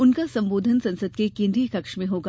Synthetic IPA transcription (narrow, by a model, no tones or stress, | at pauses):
ʊnkasɐ̃mboːd̪ʱənsɐ̃nsəd̪kekɪ̃nd̪ɾikɐkʃmẽɦoːɡaː